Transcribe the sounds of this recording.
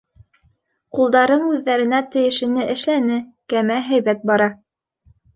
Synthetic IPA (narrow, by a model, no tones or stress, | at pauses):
qulˠd̪ɑɾɤɴʉðːæɾɘ̆næt̪ɘ̆jɘ̆ʃɘ̆nɘʔɘ̆ʃlænɘkæmæɦæjβæt̪̚bɑɾɑ